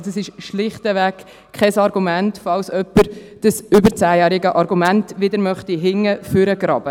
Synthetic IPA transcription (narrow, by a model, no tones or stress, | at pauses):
səsɪʃʃlɪχtəvæk | kʰχɛsɑɾɡumæntfɑlsœpːəɾ | d̥əsʏbəɾt͡sæːjæːɾɪɡəʔɑɾɡumæntʋɪdəɾmœχtiɦɪŋːəføɾəɡ̥ɾɑːb̥ə